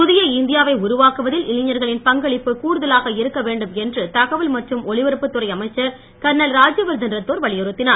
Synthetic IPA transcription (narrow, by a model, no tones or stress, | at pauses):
pʊðɪjɐɪnd̪ɪjaːʋɐɪʊɾʊʋaːkɯʋɐðɪlɪlɪɲɐɾɣɐɭɪnpɐŋɡɐɭɪpːɯkuːɾɯðɐlaːɣɐɪɾɯkːɐʋeːɳɖɯmɛndrɯt̪ɐɣɐʋɯlmɐʈrɯmɔɭɪʋɛɾɯpːɯt̪ːɯrɐɪɐmɐɪt͡ʃːɐɾ | kɐɾɳɐlɾaːd͡ʒjɐʋɐɾd̪ɐnɾɐt̪ːoːɾʋɐɭɪjɔɾɯt̪ːɪnaːɾ